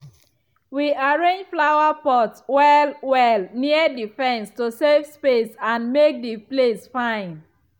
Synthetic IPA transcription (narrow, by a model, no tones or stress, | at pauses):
wiaɹẽnd͡ʒflaʊwapɔtwɛlwɛlniədifɛ̃nstosevspesãnmek̚diplesfãɪ̃n